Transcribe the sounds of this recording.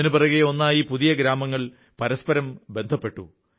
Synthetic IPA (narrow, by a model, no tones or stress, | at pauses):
ɐnupɐrɐɣɐjo̞nːaːjipuðijɐɡɾaːmɐŋːɐɭ | pɐɾɐspɐɾɐmbe̞nd̪ʱɐpːe̞ʈːṵ